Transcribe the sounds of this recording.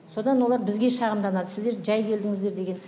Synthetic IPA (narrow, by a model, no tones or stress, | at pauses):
so̞d̪ɑnwo̞lˠɑɾbɪzɡʲe̞ʃɑʁəmd̪ɑnɑd̪əsɪzd̪e̞ɾʒæjkʲʰe̞ld̪ɪŋɪzd̪e̞ɾd̪e̞ɡʲe̞n